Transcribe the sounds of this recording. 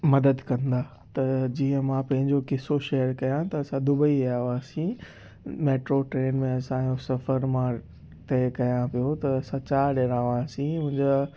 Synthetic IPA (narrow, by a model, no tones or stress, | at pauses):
mɐd̪əd̪kɐ̃nd̪aː | t̪ɐd͡ʑiːə̃mãpɐ̃ɦɪ̃ɲd͡ʑokɪsoʃɛːəɾkɐjãt̪ɐɐsãd̪ʊbəiaːʋaːsĩ | meːʈɾoʈɾeːnmẽɐsãjõsɐfəɾmã | t̪ɛːkɐjãpijot̪ɐːsãt͡ɕaːɾɖeːɽãːʋaːsĩʊ̃ɦɪ̃ɲd͡ʑaː